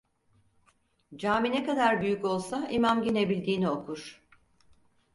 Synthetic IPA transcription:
d͡ʒaːminekad̪aɾbyjyco̞lˠsaimamɟine̞bilʲd̪iːnio̞kʰuɾ̥

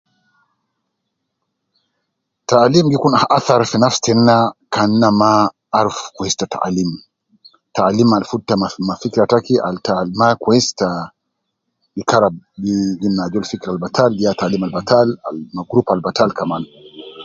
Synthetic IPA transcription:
talimɡikunaʔaθaɾfɛnafstɛn̩nakan̩ːamaː | ɾfkwɛstata̰ʔa̰lim | talimalfutːaamafikiɾatakiʔa̰ltalmakwɛsta | ikaɾaɡiɡimnad͡ʒɔlfikiɾalbatʰaljataːlimalbatʰalalmaɡɾupalbatalkaman

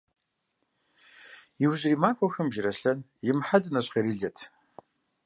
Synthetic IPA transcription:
jɪwʑriːmaːkʷʰʼɔxɐmʒɪɾɐɬɐnjɪmħaɮɨnɐɕqeɾiːɮɐtʰ

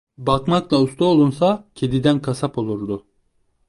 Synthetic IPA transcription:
bakmaklˠaust̪ʰuolˠunsacʰed̪id̪ænkʰasapo̞lˠuɾd̪ʊ

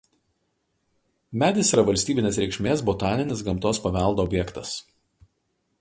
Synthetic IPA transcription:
mʲæːd̪ʲɪsiːɾɐʋɐlʲsʲt̪ʲiːbʲɪnʲeːsɾʲɛɪkʃʲmʲeːsbɔt̪ɑːnʲɪnʲɪs̬ɡɐmt̪oːspɐʋʲɛˑlˠd̪oːbʲjɛkt̪ɐs

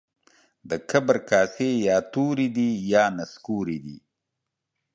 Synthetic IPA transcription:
d̪əkʰabɾkɑːsejɑːt̪uɾid̪ijɑːnaskuɾid̪ḭ

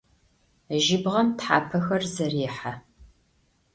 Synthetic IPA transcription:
ʒɪbʁɐmtħaːpʰɐxɐrzɐriːħa

